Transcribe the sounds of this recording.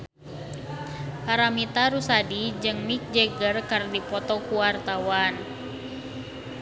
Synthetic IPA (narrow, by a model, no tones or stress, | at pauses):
paɾamit̪aɾusadid͡ʒɨŋmik̚d͡ʒɛɡərkərdipɔt̪ɔkuwart̪awan